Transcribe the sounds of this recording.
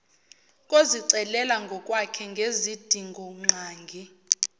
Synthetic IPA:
kʼoziǀɛlɛlaŋɡʱɔkʼwakʰɛŋɡʱezid̥ʱiŋɡʱɔŋ͡ǀaːŋɡʱi

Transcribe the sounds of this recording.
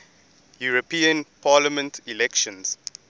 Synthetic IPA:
juɹopĩə̃npʰaːlamɛ̃ntilɛkʃɔ̃ns

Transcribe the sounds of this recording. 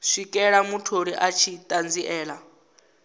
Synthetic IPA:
ʂikʼɛɺamutʰoɺiʔat͡ʃʰitʼand͡ziʔɛːla

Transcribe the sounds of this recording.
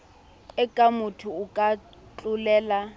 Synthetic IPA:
ɛkʼamʊtʰʊːkʼa | t͡ɬʼʊlɛːla

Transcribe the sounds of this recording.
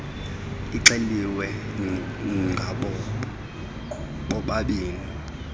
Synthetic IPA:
iǀeliwɛ | ŋɡʱaɓɔ | ɓɔɓaɓiːni

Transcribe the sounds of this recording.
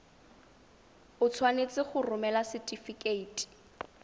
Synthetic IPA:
ʊt͡sʰwanet͡sʼɪχʊrʊmɛlasɪtʼifikʼeiːtʼi̥

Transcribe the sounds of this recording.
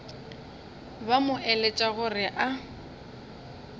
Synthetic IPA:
bamʊʔɛlet͡ʃʼaɣʊrɪʔa

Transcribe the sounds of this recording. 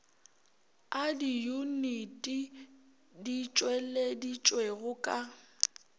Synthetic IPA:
adijunitʼi | dit͡ʃʼweledit͡ʃʼweɣʊkʼa

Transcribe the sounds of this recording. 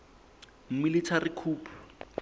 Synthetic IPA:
m̩militʰarikʰuːpʰu̥

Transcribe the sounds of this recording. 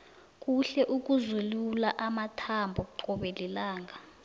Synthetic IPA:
k̬ʼuɬɛʔuk̬uzululaʔamatʰambʱɔk̬uǃɔɓelilaːŋa

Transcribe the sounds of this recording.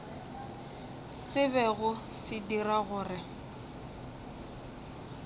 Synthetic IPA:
sɪbɛɣʊ | sɪdiɾaɣʊːrɪ

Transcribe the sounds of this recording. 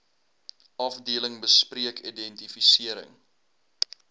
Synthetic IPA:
ʔɐfdiələŋbəspriəkʰidɛntifisiəɾə̰ŋ

